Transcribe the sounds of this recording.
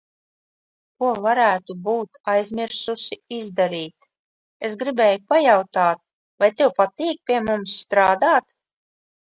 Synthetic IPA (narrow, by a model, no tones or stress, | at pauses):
kuɔvaɾæːt̪ubuːt̪ajzmʲiɾsusiizd̪aɾiːt̪ | esɡɾibʲɛːjupajawt̪aːt̪̚ | vajt̪ɛwpat̪iːk̚pʲiɛmumsːt̪ɾaːd̪aːt̪